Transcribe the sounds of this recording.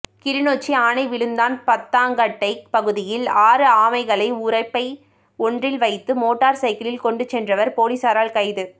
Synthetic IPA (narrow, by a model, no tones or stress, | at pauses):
kɪɾɪnoːt͡ʃːiaːnɐɪʋɪɭɯnd̪aːnpɐt̪ːaːŋɡɐʈːɐɪk̚pɐɣɯðɪjɪlaːɾɯaːmɐɪɣɐɭɐɪʊɾɐɪpːɐɪ | ɔndrɪlʋɐɪt̪ːɯmoːʈːaːɾsɐɪkɐlɪlkɔɳɖɯt͡ʃːɛndrɐʋɐɾpoːlisaːɾaːlkɐɪðɯ